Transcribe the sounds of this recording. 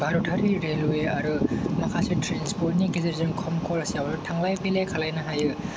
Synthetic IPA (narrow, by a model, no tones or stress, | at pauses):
bʱaɾutʰɐɾiɾelweɐɾɯmɐkʰasitɾenspoɾniɡiziɾzinkʰɔmkʰolsjawɾutʰaŋlajpʰelekʰɐlajnɐɦajɯ